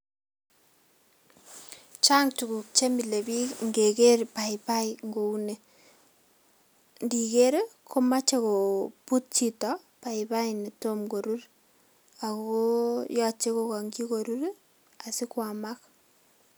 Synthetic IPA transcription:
t͡ʃa˦ŋtu˨ku˨k̚t͡ʃe˦mi˨le˨bi˦ŋɡe˨ke˦rpa˨ipa˦ɪŋɡo˨u˦ne˨ | ndi˨ke˦ɾkʰo˦ma˦t͡ʃe˦ko˨pu˦t̚t͡ʃitɔ | pa˨ɪpa˦ini˨to˦mɡo˨ɾu˦ɾ | a˨koko˦jɔ˦t͡ʃe˦ko˨kɔ˨ŋɡi˦ko˨ɾu˦ɾ | a˨si˦kwa˨mak

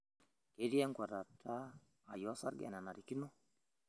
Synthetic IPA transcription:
ke˨˦ɾi˦ɛ˦ŋɡwa˨ɾa˨tʰaː˦˨ | jɔ˨˦sa̰˦ɾɡɛ̰˨na˨na˨ɾi˨ki˦no˦

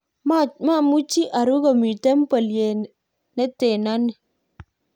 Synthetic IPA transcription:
mama˦˨mu˦t͡ʃi˦ʔa˨ɾu˦ɡɔ˨mi˨tɛ˦m̩˦pə˨lje˨ | nɛ˦te˨na˦nɛ˨

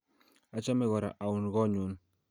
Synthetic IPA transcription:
a˦t͡ʃa˦me˦ɣɔ˨ɾa̰˨ʔa˨wu˨n˨ɡɔ˦˨ɲu˨˦n

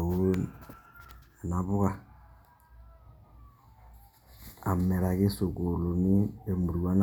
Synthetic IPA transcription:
wu˦n | e˨na˨βʊ˦ka˦˨ | a˨mːɛ˨ɾa˨kɪ˦so˨ko˨lo˨ni˦e˨mu˨ɾwa˦n

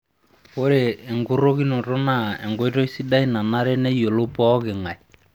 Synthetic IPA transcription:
ko˦ɾeː˨ŋɡu˦ɾo˦ki˦nɔ˨tɔ˦na˦˨ɛ̰˨ŋɡo˦i˦tɔ˦i˦si˦da˦i˦na˨na˦ɾɛ˦nɛ˦jo˨lo˦pɔ˦kɪ˨ŋa˨i˨

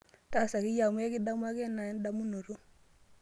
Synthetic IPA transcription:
ta˦˨sa˨kɪ˦ja˨m˦e˦kɪ˦da˦m˦a˦kɛ˦na˨ɛ˦n˦da˦mu˦no˨ɾu˦

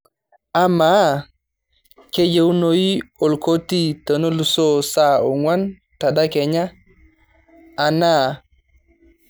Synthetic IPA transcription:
a˦ma˨˦ | ke˦d͡ʒe˦wu˦no˨ji˦o˨lko˦ti˦to˨no˦lu˨so˦sa˦˨o˨ŋwa˦n | ta˨da˦kɛ˨ɲa˦˨ | na˦˨

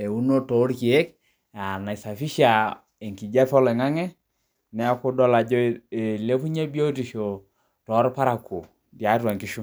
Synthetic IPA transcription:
e˨u˦no˦to˨˦ɾki˨e˦k | a˨na˨i˨sa˨fi˦ʃa˨ | e˨ŋki˨d͡ʒa˦fɔ˦le˨ŋa˦ŋɛ˦ | nɛ˨a˦kʊ˦dɔ˦la˨d͡ʒɔ˦e˨le˦pu˦ɲe˦bi˦o˦ti˨ʃo˨ | tɔ˨˦ɾpa˦ɾa˨ko˨ | dja˨˦twa˨ŋki˦ʃu˦

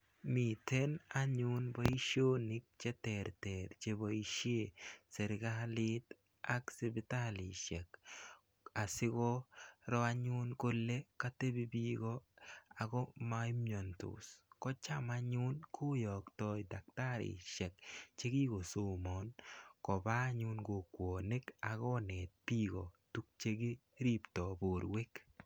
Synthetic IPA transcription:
mi˨tɛ˦na˦ɲʊ˦nbɔ˦i˦ʃo˦ni˦k̚t͡ʃɛ˦tɛɾtɛɾt͡ʃe˦bɔi˦ʃe˦sɛ˨ɾɡalɪ˦t | a˦ksi˦bɪ˦ta˦lɪ˨ʃɛ˨k | a˨sɪ˦kɔ˦ɾɔ˦a˦ɲʊ˦nko˦lːe˦ka˦te˦bi˦bi˦ɡɔ˦a˨ɡɔ˦mai˦mjo˨ntʊ̰˨skɔ˦t͡ʃa˦maɲʊ˦nkʰʊ˦jɔ˨ktɔ˦i˨da˨k̚ta˦ɾɪ̰˨ʃɛ˨k̚t͡ʃe˦ɡi˦ɡo˨so˦mɔ˨nkɔ˨ba˦ɲʊ˦nɡo˨kwo˨ne˦ka˨ɡɔ˦ne˨t̚pi˦ɡɔ˨tu˦k̚t͡ʃe˦ɡi˦ɾi˦ptɔ˨bo˨ɾwe˦k

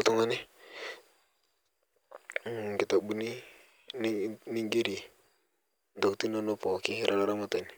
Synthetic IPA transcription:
ltu˦ŋa˦ni˦˨ | ŋ˨ɡi˨ta˨bu˦ni˦ | n˦ni˦ŋɡe˦ɾi˨ | ndo˨kti˦no˦no˦po˨ki˦ɾʔa˦la˦ɾa˦ma˦ta˨ni˨

